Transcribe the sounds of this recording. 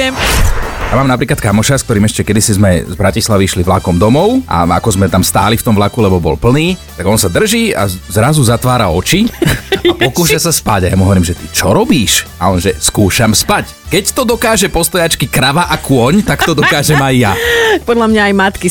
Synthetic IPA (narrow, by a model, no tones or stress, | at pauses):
jamaːmnapɾiːklat̪kamɔʃaskt̪ɔɾiːmɛʃcɛkɛd̪isizmɛzbɾacislaʋiʃliʋlakɔmd̪ɔmɔʊʔa̰a̰kɔzmɛt̪amst̪a̰ːlift̪ɔmʋlakulɛbɔbɔ̰lpl̩niːt̪aɡɔnsad̪r̩ʒiːa̰zɾazuzat̪ʋaːɾaɔt͡ʃiapɔkuːʃasaspaɟaja̰muɦɔʋɔɾiːmʒɛt̪it͡ʃɔɾɔbiːʃalɛnʒɛskuːʃamspac | kɛct̪ɔd̪ɔkaːʒɛpɔst̪ɔjat͡ʃkikɾaʋaʔakʊɔɲt̪aktt̪ɔd̪ɔkaːʒɛmajːapɔd̪lamɲaːjmat̪ki